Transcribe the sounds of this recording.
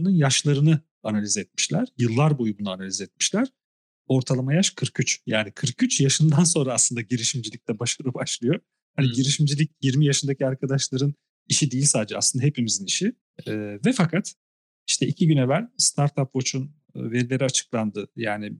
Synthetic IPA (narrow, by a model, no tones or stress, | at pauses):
nunjaʃlˠaɾɯnɯ | analʲizɛt̪̚mi̥ʃlʲæɾ̥jɯlˠːaɾbojubunuanalʲizɛt̪̚mi̥ʃlʲæɾ̥ | o̞ɾt̪ʰalˠamajaʃkʰɯɾkyt͡ʃjaːnikʰɯɾkyt͡ʃjaʃɯnd̪ans̬o̞nɾaːsˠɯnd̪aɟiɾiʃimd͡ʒilʲicd̪ʲɛbaʃaɾɯbaʃlˠɯjo̞ | haniɟiɾiʃimd͡ʒilʲic̚jiɾmijaʃɯnd̪acʰiaɾkʰad̪aʃlˠaɾɯn | iʃid̪ijisaːd̪d͡ʒɛa̰slɯnd̪aɦepimiziniʃiː | vɛfakʰat̪ | iʃt̪ʰɛicʰiɟynevænst̪ʰaɾt̪ʰapvo̞t͡ʃʰun | ve̞ɾilʲe̞ɾiat͡ʃʰɯ̥klˠand̪ɯjaːnɪ